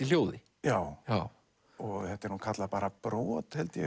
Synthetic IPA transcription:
iljoːwðɪ | jaːwa | ɔɣhɛht̪ːɛɾhunkʰat̪laðpaːɾapɾɔːt̪hɛlt̪jɛ

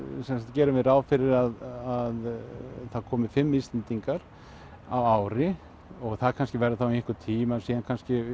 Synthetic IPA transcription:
sɛnsat̪cɛːɾʏmɪðɾaːwfɪɾɪɾaðaðθaðkʰɔːmɪfɪmːist̪ɛnt̪iŋkaɾ̥ | a̰waːwɾɪ | ɔɣθaðkʰanscɪvɛɾðɪθawiɪhkʏɾt̪ʰiːmasiːðankʰanscɪ

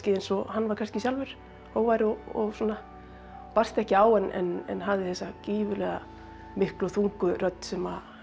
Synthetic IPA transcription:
cɪejnsɔɦanːvaɾkʰanscɪsjawlvɛɾ̥ | ɔɣvaːjɾɔɔsuɔːna | par̥st̪ɛhcɪaːwɛnʔɛ̰nɛ̰nɦavðɪθɛsːaciːvʏlɛːɣa̰ | mɪhklʏɔθuŋkʏrœt̪n̥sɛma

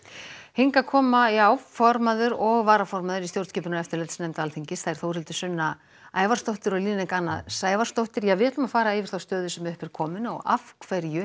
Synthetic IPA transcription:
heŋkakʰɔːmaawfɔɾmaðʏɾɔɣvaːɾafɔɾmaðʏɾist̪jowɾt̪scɛːpʏnʏɛft̪ɪɾlɛt̪snɛjmt̪aːlθiɲcɪsθaðɛɾ̥θowrhɪlt̪ʏ̥sʏnːa | aːjvaɾ̥st̪owht̪ɪɾɔliːnɛkanːasaːjvaɾ̥st̪owht̪ɪɾjɛvɪːt̪lʏmafaːɾaɛvɪ̥θawst̪œːðʏsɛmʏhpɪɾ̥kʰɔːmʏnɔ̰ɣa̰fkʰvɛɾjʏ

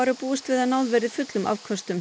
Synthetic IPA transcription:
aɾʏapuːʏst̪vɪðaðnawðvɛːɾɪðfʏt̪lʏmʔa̰vkʰvɔst̪ʏm

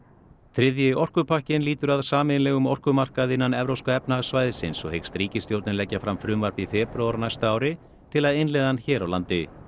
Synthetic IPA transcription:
θɾɪðjɪɔr̥kʏpʰahcɪnliːt̪ʏɾaðsaːmɪnlɛɣʏmɔr̥kʏmar̥kaðɪnːanɛvɾowskaɛpnaɣsvajðɪsɪnsɔhejkst̪ɾiːcɪst̪jowɾt̪nɪlɛcːafɾamfɾʏːmvarpifɛːpɾoaɾnajst̪aaːwɾɪ | t̪ʰɪlaðɪnlɛðançɛːɾawlant̪ɪ

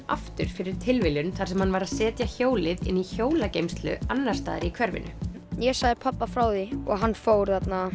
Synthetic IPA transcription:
a̰ft̪ʏɾ̥fɪɾɪɾ̥t̪ʰɪlvɪlʏnθaɾ̥sɛmhanvaɾaðsɛːt̪jaçoːwlɪðɪ̰nːiçoːwlacejmst̪lʏ̰anːaɾ̥st̪a̰ːðɪɾikʰvɛɾvɪ̰nʏ̰ | jɛsaːjðɪpʰapːafɾawðiɔɣɦanːfowɾ̥θat̪na

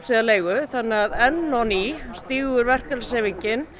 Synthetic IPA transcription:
siðaleːjɣʏθanːɪaðɛnːɔnist̪iːɣʏɾvɛr̥kalseːviɲcɪn

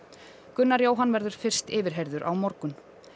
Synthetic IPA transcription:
kʏnːaɾjoːwɦanvɛɾðʏɾ̥fɪr̥st̪ɪːvɪɾ̥ɦɛjɾðʏɾʔa̰wmɔɾkʏn

